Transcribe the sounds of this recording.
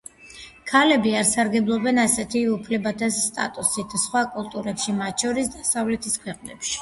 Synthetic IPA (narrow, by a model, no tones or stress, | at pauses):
kʰalɛbiaɾsaɾɡɛblˠɔbɛnasɛt̪ʰiupʰlɛbat̪ʰasːt̪ʼa̰t̪ʼusit̪ʰsχwakʼulˠt̪ʼuɾɛpʃimat̪̚ʃʰɔɾisd̪asavlɛt̪ʰiskʰwɛqʼnɛ̰pʃi̥